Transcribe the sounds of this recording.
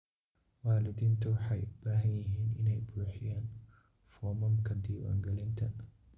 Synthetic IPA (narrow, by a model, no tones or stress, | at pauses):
waːlɪd̪iːnt̪ʰʊwɑħɑjʊb̥aːɦɐnjɪɦiːnɪnɛjbuːħɪjaːn | fɔːmɐmkʰɐd̪iːwa̰ːŋɡɛlɪnt̪ʰɐn